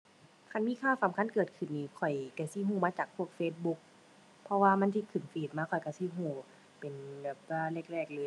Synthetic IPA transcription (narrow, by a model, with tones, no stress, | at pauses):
kʰa˧˥˨nmiː˧˥˨kʰaː˧˩˨sa˨˦mkʰa˧˥˨nkɤː˨˩t̪̚kʰɯ˨˩nːiː˧˩kʰɔ˨˩jka˧˩si˧˦˨ɦuː˧˩maː˧t͡ɕaː˨˩k̚pʰu˧˩ək̚feː˧t̪̚bu˧˥k̚ | pʰɔ˧waː˧ma˧˥nt̪ʰi˧˨kʰɯ˨˧˩nfiː˨˩t̪̚maː˧˥˨kʰɔ˨˩jka˧˩si˧˨ɦũː˧˩ | pe˨˩nbɛː˨˩p̚laː˧˩˨le˧˩k̚lɛː˧˩k̚lɤː˧